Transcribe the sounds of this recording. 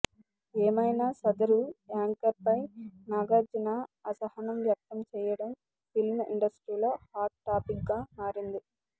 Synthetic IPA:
eːmɐjnaːsɐd̪ɐɾuaːŋkɐɾpɐjnaːɡaːd͡ʒinaːɐsɐhɐnɐmʋjɐk̚t̪ɐmt͡ʃɛːjɐɽɐm | filmiɳɖɐsʈɾiːlo̞ːhaːt̪̚ʈaːpik̚ɡaːmaːɾind̪i

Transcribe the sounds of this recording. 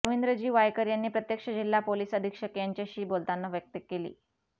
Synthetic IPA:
əʋind̪ɾəd͡ʑiːʋajkəɾjanːiːpɾət̪jəkʂəd͡ʑilːapoliːsəd̪ʱikʂəkjaɲt͡ɕjaɕiːbolt̪anːaʋjək̚t̪əkːelḭː

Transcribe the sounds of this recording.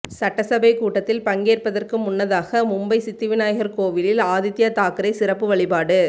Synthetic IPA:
sɐʈːɐsɐbɐɪkuːʈːɐt̪ːɪlpɐŋɡeːrpɐðɐrkɯmʊnːɐðaːɣɐmʊmbɐɪsɪt̪ːɪʋɪnaːjɣɐɾkoːʋɪlɪlaːðɪt̪ːɪjɐt̪aːkɯɾɐɪsɪrɐpːɯʋɐɭɪpaːɽɯ

